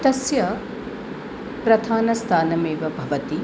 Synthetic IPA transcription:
t̪ɐsjɐ | pɾɐd̪ʱʰaːnɐst̪ʰaːnɐmeːʋɐbʱɐʋɐt̪i

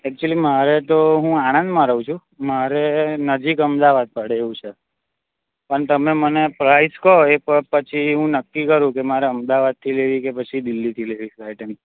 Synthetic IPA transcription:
ɛk̚t͡ʃuəlimaɾet̪oɦũaɽ̃ə̃nd̪mãɾəʋũt͡ʃʰũ | maɾenəd͡ʒikəmd̪aʋad̪̚pəɽeːʋũt͡ʃʰe | pəɳt̪əmemənepɾaiskəɦoeəpət͡ʃʰiɦũnəkːikəɾũkemaɾeəmd̪aʋad̪̚t̪ʰileʋikepət͡ʃʰid̪ɪlːit̪ʰileʋikajʈəni

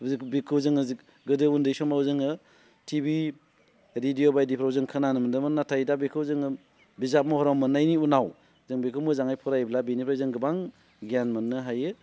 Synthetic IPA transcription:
bikʰɯwzɯŋɯzi | ɡɯdɯundɯjsɔmawzɯŋɯ | tʰibi | ɾidijobajdipʰɾawzɯŋkʰɯnanɯmɯndɯmɯnːatʰajdabikʰɯwzɯŋɯ | bizap̚mɔhɔɾɔmmɯnːajniunaw | zɯŋbikʰɯwmɯzaŋajpʰɔɾajblabinipʰɾajzɯŋɡɯbaŋ | ɡanmɯnːɯɦajɯ

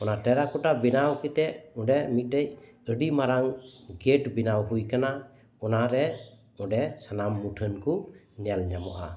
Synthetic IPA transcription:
ɔnaʈɛɾakɔʈabinawkit̪ɛʔɔɖɛmit̪̚dɛj | əɖimaɾaŋɡeʈbinawɦujkana | ɔnaɾɛ | ɔɖɛsanamːuʈʰənku | ɲɛlɲamɔʔa̰

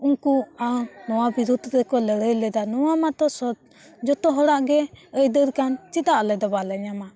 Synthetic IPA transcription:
uŋkuanɔwabiɾud̪ʱɾɛkɔləɽəjlɛd̪anɔwamat̪ɔsɔ | d͡ʒɔt̪ɔɦɔɽaʔɡɛəjd̪əɾkant͡ʃit̪aʔlɛd̪ɔbalɛɲama

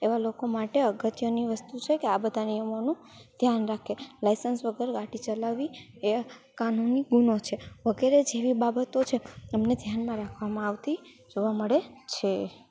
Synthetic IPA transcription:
eʋalokomaʈeəɡət̪jəniʋəst̪ut͡ʃʰekeabəd̪ʱaniəmonũ | d̪ʱjanɾakʰelajsənsʋəɡəɾɡaʈit͡ʃəlaʋi | ekanuniɡunot͡ʃʰeʋəɡeɾed͡ʒeʋibabət̪ot͡ʃʰeɛmned̪ʱjanmãɾakʰʋamãaʋt̪i | d͡ʒoʋaməɭet͡ʃʰe

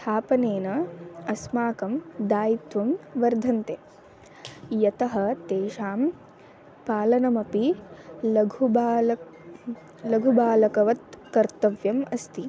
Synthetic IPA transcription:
st̪ʰaːpɐneːnɐɐsmaːkɐmd̪aːjit̪ʋɐmʋɐɾd̪ʱɐnt̪e | jɐt̪ɐɦɐ̆t̪eːʃaːm | paːlɐnɐmɐpi | ɡʱubː | lɐɡʱubaːlɐkɐʋɐt̪̚kɐɾt̪ɐʋjɐmɐst̪i

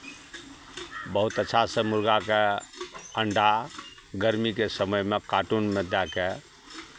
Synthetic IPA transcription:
bəɦut̪ətːʃʰasəmuɾɡake | əɳɖa | ɡəɾmikesəməjmekaʈunməd̪jake

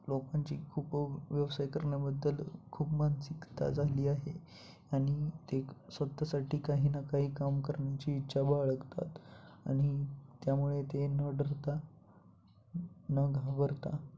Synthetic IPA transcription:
lokaɲt͡ɕiːkʰuːpʋjəʋsajkəɾɳjabəd̪ːəlkʰuːpmansikt̪a̰d͡zʱaliːaɦe | aɽ̃it̪esʋət̪ːasaʈiːkaɦiːnakaɦiːkamkəɾɳjat͡ɕiːtːɕʰabaɭəɡt̪a̰t̪a̰ɽ̃it̪jamuɭet̪enəɖʱəɾt̪a | nəɡʱabəɾt̪a̰

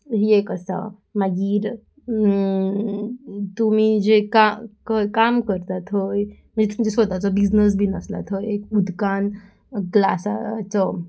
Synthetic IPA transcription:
ɦiekəsa̰ | maɡiɾ | t̪um̤id͡ʑekakɔjkamkəɾt̪at̪ʰɦojm̤ənd͡zet̪umid͡ʑesʋət̪at͡sɔbid͡znəs̬bʱinəsla̰t̪ʰojekud̪ʱkan | ɡla̰sa̰t͡sɔ

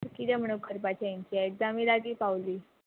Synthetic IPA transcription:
ɾkit̪ɛm̤əɽ̃okəɾpat͡ɕjajaɲt͡ɕiaekd͡zamiːlaɡiːpaʋliː

